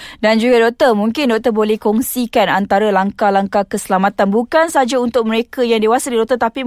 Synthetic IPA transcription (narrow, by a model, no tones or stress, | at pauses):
dand͡ʒuɡadɔʔ̚t̪ərmũŋkɪndɔk̚t̪əbolɛhkɔŋsikanant̪aɾalaŋkalaŋkakəsəlamat̪anbukansəɦad͡ʒaunt̪ʊk̚məɾekajaŋdewasadidɔʔ̚t̪ət̪api